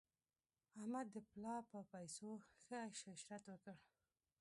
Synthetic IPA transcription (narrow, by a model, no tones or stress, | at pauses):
ahmad̪ːəplɑpəpajsoxəʃaʃɾat̪wəkəɽ